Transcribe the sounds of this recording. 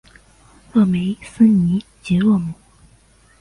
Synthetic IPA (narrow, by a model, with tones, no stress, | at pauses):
ɤ˥˩˨me˧˥ɪsə˥ni˧˥ | t͡ɕɛ˧˥wɤ˥˩mu˨˩˦